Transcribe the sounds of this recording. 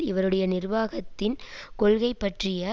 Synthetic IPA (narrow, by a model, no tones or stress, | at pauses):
ɪʋɐɾɯɽɐjɐnɪrʋaːɣɐt̪ːɪnkɔɭɣɐɪpːɐʈrɪjɐ